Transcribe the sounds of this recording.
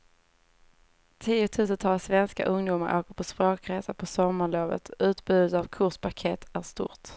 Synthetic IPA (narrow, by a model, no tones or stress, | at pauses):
t̪ʰiːʊt̪ʰʉ̟ːs̬ənt̪ʰɑlsvɛnska̰ʔɵŋd̪uːmaɾʔo̰ːkəɾpʰɔspɾoːkɾeːsapʰɔsɔmːaɭoːvə̰t̪ʉ̟ːt̪bʉ̟ːd̪ət̪avkʰʊʂpakʰɛt̪æʂt̪ʊ̰ːɾt̪